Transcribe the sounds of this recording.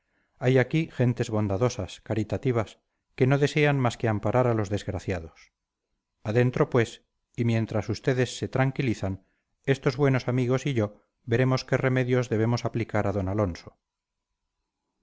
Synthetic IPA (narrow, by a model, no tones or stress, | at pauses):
ajakiχe̞nt̪e̞zβo̞nd̪aðo̞saskaɾit̪at̪iβ̞as | ke̞no̞ðe̞se̞anmaske̞ampaɾʔaɾalo̞zðe̞zɣɾaθjaðo̞s | aðe̞nt̪ɾo̞pwe̞s | imje̞nt̪ɾasust̪e̞ðe̞sːe̞t̪ɾaŋkiliθan | e̞st̪o̞zβwe̞no̞samiɣ̞o̞siʝo̞ | be̞ɾe̞mo̞ske̞re̞me̞ðjo̞zðe̞β̞e̞mo̞saplikaɾaðo̞nalo̞nso̥